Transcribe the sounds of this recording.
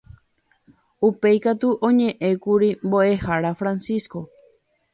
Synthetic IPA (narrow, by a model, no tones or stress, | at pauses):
upejkat̪uʔõɲẽ̞ʔẽ̞kuɾimboe̞haɾafɾãnsisko̞